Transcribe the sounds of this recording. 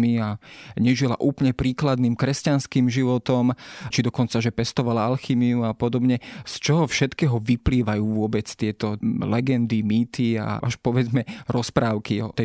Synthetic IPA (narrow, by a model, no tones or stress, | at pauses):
miaɲɛʒila̰ʔuːpəlɲɛpɾiːklad̪niːmkɾɛscanskiːmʒiʋɔt̪ɔmt͡ʃid̪ɔkɔnt͡saʒɛpɛst̪ɔʋalaalximiuapɔd̪ɔbɲɛst͡ʃɔɦɔfʃɛt̪kɛːɦɔʋipliːʋajuːʋʊɔbɛt͡st̪ɪɛt̪ɔlɛɡɛnd̪imiːt̪ia̰ʔa̰ʃpɔʋɛd͡zmɛɾɔspɾaːʊkiɔ̰t̪ɛ